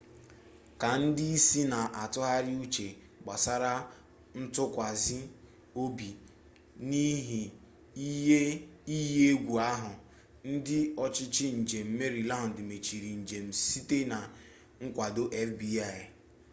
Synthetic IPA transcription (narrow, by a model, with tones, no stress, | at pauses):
ka˨n̩˦dɪ˦i˦si˦na˨ʔa˨tʊ˦ɦa˦ɾɪ˦u˦t͡ʃe˨ | ɡ͡ba˨sa˦ɾa˦ | n̩˦tʊ˦kʷa˨zɪ˦ | o˦bi˨ | ni˦ɦi˨˦ | e˦i˦ɦje˦e˦ɡʷu˨a˦ɦʊ˨ | n̩˦dɪ˦ɔ˨t͡ʃɪ˦t͡ʃɪ˦n̩˨d͡ʒe˨m̩˦me˦ɾi˨la˦ɦʊ˨dɪ˨me˨t͡ʃi˨ɾi˨n̩˨d͡ʒe˨m̩˨si˦te˦na˨ | ŋ̩˦kʷa˨do˦ʔe˦fbi˦a˦˨